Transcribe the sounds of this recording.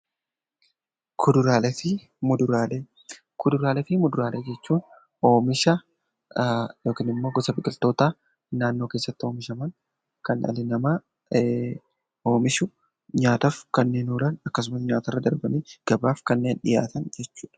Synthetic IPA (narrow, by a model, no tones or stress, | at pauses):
kʰʊd̪ʊɾaːlɛfɪ | mʊd̪ʊɾaːle | kʰʊd̪ʊɾaːlɛfɪmʊd̪ʊɾaːlʔeːd͡ʒɛt͡ʃːuːn | o̞ːmɪʃɐ | jo̞ːkiːnɪmːo̞ːɡɔsɐbɪkʼɪlt̪o̞ːt̪aː | naːnːo̞ːke̞ːsːɐt̪ːɪo̞ːmɪʃɐmɐn | kɐnʔɐ̰lɪnɐma | o̞ːmɪʃʊ | ɲaːt̪ɐfkɐnːe̞ːnuːɾɐnɐkːɐs̬ʊmɐsɲaːt̪ɐrːɐd̪ɐɾbɐniːɡ̥ɐbaːfkɐnːe̞ːnɗɪja̰ːt̪ɐnd͡ʒɛt͡ʃːu̥ːᶑɐ̥